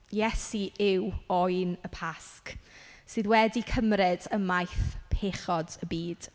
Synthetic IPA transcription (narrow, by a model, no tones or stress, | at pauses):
jɛsiʔɪwɔjnəpʰasksɨðwɛdikʰəmrɪdəmajθpʰeːχɔdəbiːd̥